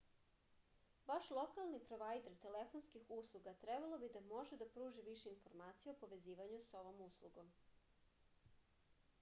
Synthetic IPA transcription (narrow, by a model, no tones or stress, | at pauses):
ʋaʃlˠo̞kalˠnipɾoʋajd̪eɾt̪e̞lefonskixuslˠuɡat̪ɾebalˠo̞bid̪amo̞ʒed̪apɾuːʒiʋiʃeinfoɾmaːt̪sijeopo̞ʋe̞ziːʋaɲuso̞ʋo̞muslˠuɡo̞m